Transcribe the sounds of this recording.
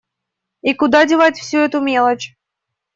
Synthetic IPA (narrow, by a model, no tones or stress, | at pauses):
ikʊd̪adʲɪvatʲfsʲuɛt̪ʊmʲelˠət͡ɕ